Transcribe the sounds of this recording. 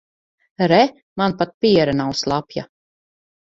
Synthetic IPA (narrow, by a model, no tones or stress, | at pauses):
ɾɛ | manpat̪̚piɛɾanawslˠapja̰